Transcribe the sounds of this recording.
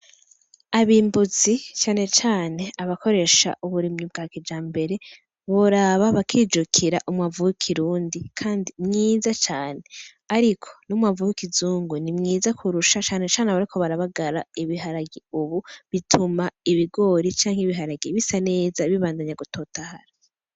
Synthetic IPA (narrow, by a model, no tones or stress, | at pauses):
aβiːmbuzit͡ʃaːne̞t͡ʃaːne̞aβako̞ɾe̞ʃa̰ʔuβuɾimɲub̚ɡaːkid͡ʒaːmbe̞ɾe̞ | βoɾaβaβakʰiːd͡ʒukʰiɾaʔumŋavukʰiɾuːndikʰaːndimŋiːzat͡ʃaːne̞ | aɾikʰo̞̥numavukizuːŋɡunimŋiːzakʰuɾuʃat͡ʃaːne̞t͡ʃaːneβaɾikʰo̞βaɾaβaɡaɾaiβiɦaɾaɡiuβuβitʰumaiβiɡo̞ːɾit͡ʃaːŋhiβiɦaɾaɡiβisane̞ːzaβiβaːndaɲaɡutʰo̞ːtahaɾa